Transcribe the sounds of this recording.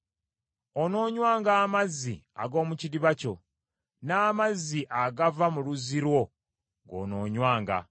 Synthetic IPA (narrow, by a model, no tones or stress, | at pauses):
ono̞ːɲwaːŋɡaːmazːia̰ɡo̞ːmuciɾiβaco̞̰ | naːmazːiʔaɡavamuluziɾwo̞ | ŋɡo̞̰ːno̞ːɲwaːŋɡa̰